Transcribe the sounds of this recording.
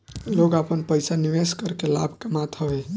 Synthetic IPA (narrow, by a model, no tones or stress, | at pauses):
loɡapənpəjsaniʋeskəɾkelabʱkəmat̪ɦəʋe